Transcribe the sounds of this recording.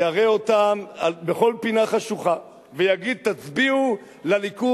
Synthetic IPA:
aʁeo̞t̪amalbeχo̞lpinaχaʃuχa | vejaɡid̪̚t̪at͡sbiu | laliku

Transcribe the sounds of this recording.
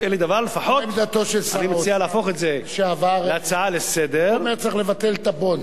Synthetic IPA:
eled̪avaʁlefaħomd̪at̪oʃelsanimesialeaːfo̞χetzeʃeavaʁeat͡saalesed̪eʁʁmet͡sʁiχle̞vat̪elt̪abon

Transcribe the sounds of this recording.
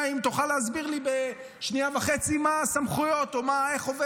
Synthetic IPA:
imt̪uχaleazbiʁlibe | ʃniavaχet͡simasamχujo̞t̪omaeχove

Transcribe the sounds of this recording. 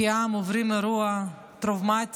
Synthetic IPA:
iamuvɾimɛɾua | t̪ɾɔvmat̪ʲ

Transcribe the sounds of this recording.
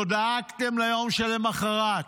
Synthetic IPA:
od̪aakt̪emlajo̞mʃelemaχaʁat

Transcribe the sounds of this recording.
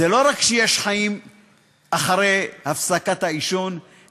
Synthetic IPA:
elo̞ʁakʃeje̞ʃχaim | ʔaχaɾejhafsakat̪haiʃon

